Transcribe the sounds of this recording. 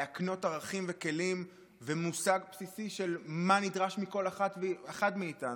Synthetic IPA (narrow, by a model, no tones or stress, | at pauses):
akno̞taʁaχimveke̞lim | vemusaɡpsisiʃe̞lmanidʁaʃmiko̞laχatvaχadmiːtan